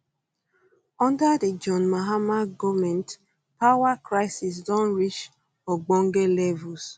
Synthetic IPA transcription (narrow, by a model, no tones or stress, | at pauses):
ɔ̃ndadəd͡ʒɔnmaɦamaɡɔmɛ̃nt | pawakɾaɪsis̬dɔ̃nɾit͡ʃ | fɔɡ͡boŋ̩ɡelɛvʊs